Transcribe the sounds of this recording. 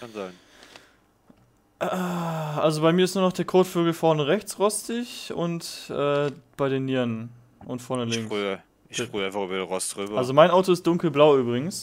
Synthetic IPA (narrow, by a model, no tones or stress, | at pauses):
kʰanzaɪn | ʔaʔalzobaɪmiːɐɪstnuːɐnɔχd̥eːɐkʰɔɐtføːɡl̩fɔɐnəʁɛçt͡sʁɔstɪçʔʊ̰ntʔɛːb̥aɪɾeːnːiːn | ʔʊntfɔɐnəlɪŋː | ɪ̥fʁyːaɪnfaχyːbɐdenʁɔstʁyːbɐalzomaɪnʔaʊtoɪstd̥ʊŋkl̩blaʊyːbʁɪɡŋ̩s